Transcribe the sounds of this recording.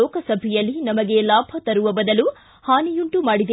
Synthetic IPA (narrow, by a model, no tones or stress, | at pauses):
ɔːkɐsɐbʱɛjɐlːinɐmɐɡe̞laːbʱɐt̪ɐɾuʋɐbɐd̪ɐlu | haːnijuɳʈumaːɽid̪e